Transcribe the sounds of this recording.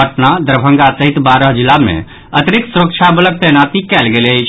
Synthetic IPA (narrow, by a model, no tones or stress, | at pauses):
əʈnad̪əɾbʱə̃ŋɡasəɦit̪baɾəɦd͡ʒilamḛ̃ | ət̪ɾiksuɾək̚t͡ʃʰabələɡ̚t̪ɛnat̪ikɛlɡeljt͡ʃʰ